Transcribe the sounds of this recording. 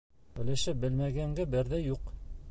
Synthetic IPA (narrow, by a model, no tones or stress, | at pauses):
ɵ̆læʃɘp̚bɘlmæɡæŋɡæbɘɾðæjuq